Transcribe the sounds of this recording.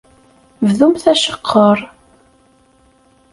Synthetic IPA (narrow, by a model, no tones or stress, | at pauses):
vðumθæʃə̥qʰːəɾˤ